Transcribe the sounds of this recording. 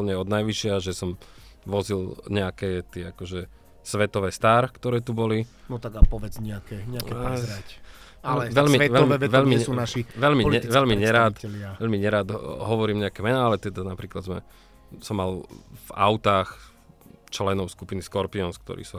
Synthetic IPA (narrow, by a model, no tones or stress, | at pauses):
lɲɛɔd̪najʋiʃɪaʒɛsɔmʋɔzilɲɛakɛːt̪ɪɛakɔʒɛ | sʋɛt̪ɔʋɛːst̪aːɾkt̪ɔɾɛːt̪ubɔlinɔt̪aɡapɔʋɛd͡zɲɛakɛɲɛakɛpɾzɾac | lɛʋɛʎmiʋɛʋɛɔmɛɛʋɛʎmiunaʃiʋɛʎmiliɛʋɛʎmiɲɛɾaːt̪ɛlɪaʋɛʎmiɲɛɾaːd̪ɦɔʋɔɾiːmɲɛakɛːmɛnaalɛt̪ɛd̪anapɾiːklad̪zmɛ̰ | sɔmːalva̰ʊt̪aːx | t͡ʃlɛnɔʊskupiniskɔɾpiɔnskt̪ɔ̰ɾḭːsu